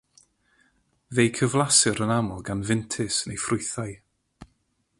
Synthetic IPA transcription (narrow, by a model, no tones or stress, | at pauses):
vejkʰəvlˠasɨɾənamɔlˠɡanvɪntʰɪsnejfrʊɨθaj